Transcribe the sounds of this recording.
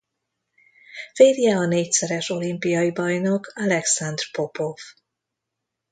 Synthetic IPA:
feːɾjɛɒneːcsɛɾɛʃo̞limpijɒjibɒjno̞kʰɒlɛksand̪rpo̞pov

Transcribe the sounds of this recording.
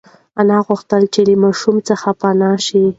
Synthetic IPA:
anɑɣʊxt̪əlt͡ʃeləmɑʃumt͡səxapanɑʃi

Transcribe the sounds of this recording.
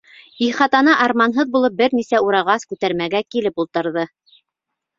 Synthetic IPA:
iχɑt̪ɑnɑʔɑɾmɑnɦɤðbulˠɤp̚bɘɾnisæuɾɑʁɑskʉt̪æɾmæɡækilɘpulˠt̪ɤ̆ɾðɤ

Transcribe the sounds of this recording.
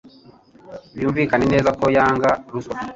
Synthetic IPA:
βjuːɱviːkanene̞ːzako̞jaːŋɡaɾuswa

